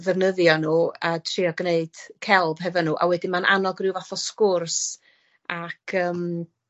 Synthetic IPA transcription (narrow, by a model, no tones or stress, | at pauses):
ðɛvnəðjɔnuːatʰriɔɡneɨd̥kʰɛlˠb̥ɦɛvɔnuːʔa̰wɛdɪmanʔa̰nɔɡrɪwvaθɔskʊrs | akʰəːm